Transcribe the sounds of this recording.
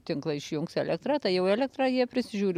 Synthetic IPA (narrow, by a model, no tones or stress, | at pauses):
t̪ʲɪŋklˠɐɪʃʲjʊŋksɛːlʲɛk̚t̪ɾɑːt̪ɐɪjɛʊɛːlʲɛk̚t̪ɾɑːjiɛpʲɾʲɪsʲɪʒʲuːɾʲɪ